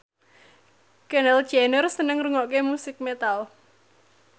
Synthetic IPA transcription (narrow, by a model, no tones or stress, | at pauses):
kɛnɛl̥d͡ʒɛnərsənəŋruŋɔʔkemusɪk̚met̪al